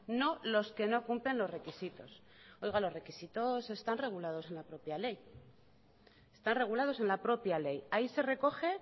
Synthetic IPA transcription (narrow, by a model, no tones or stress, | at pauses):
no̞lo̞ske̞no̞kumple̞nlo̞zre̞kisit̪o̞̰s | o̞jɣalo̞zre̞kisit̪o̞se̞st̪anre̞ɣ̞ulað̞o̞se̞nlapɾo̞pjale̞j | est̪anre̞ɣ̞ulaðo̞se̞nlapɾo̞pjale̞jaise̞re̞ko̞xe̞